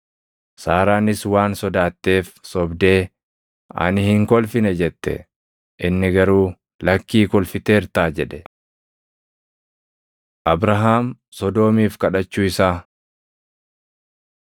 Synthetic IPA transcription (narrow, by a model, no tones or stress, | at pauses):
saːɾaːnɪswaːnsɔd̪aːt̪ːe̞ːfsɔbd̪e̞ː | ʔɐ̰nɪhɪŋkɔlfɪnɛd͡ʒɛt̪ːɛ̰ | ʔɪnːɪɡɐɾuː | lɐkːiːkɔlfɪt̪e̞ːɾt̪aːd͡ʒɛᶑɛ̥ | ʔɐbɾɐɦaːm | sɔd̪o̞ːmiːfkɐᶑɐt͡ʃːuːɪsaː